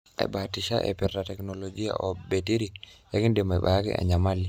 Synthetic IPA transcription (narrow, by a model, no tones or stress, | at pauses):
a̰ɓatiʃa̰ʔɛ̰pɛɾtatɛknolod͡ʒija̰ʔɔbetiɾijakindɛmaiɓa̰jakḭʔa̰ɲamali